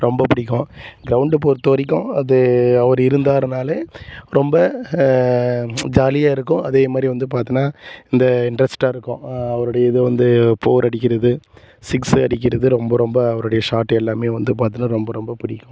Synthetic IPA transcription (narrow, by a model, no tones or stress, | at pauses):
ɾɔmbɐpɪɽɪkːʊ̃ɡɪɾɐʊɳɖp̬oːɾt̪oːɾɪk̬ːʊ̃ɐðɯɐʋɐɾɪɾɯnd̪aːɾnaːleɾɔmbɐ | d͡ʒaːlɪjaːɪɾɯkːʊ̃ʔɐðeːmaːd̪ɾiʋɐnd̪ɯpaːɾt̪ɯnːaːɪnd̪ɐɪɳɖɾɐsʈaːɪɾɯkːʊ̃ɐʋɐɾɯɽɐjɐɪðɯʋɐnd̪ɯpoːɾɐɽɪk̬ʲːɪɾɐðɯ | sɪksɐɽɪk̬ʲːɪɾɐðɯɾɔmbɐɾɔmbɐɐʋɐɾɯɽɐjɐʂaːʈːɐɛlːaːmeːʋɐnd̪ɯpaːɾt̪ɯnːaːɾɔmbɐɾɔmbɐpɪɽɪkːʊ̃